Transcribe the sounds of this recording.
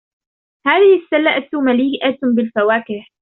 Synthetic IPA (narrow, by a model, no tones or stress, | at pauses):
haːðɪhɪsːalːaʔat̪maliːʔabɪlfawaːkɪh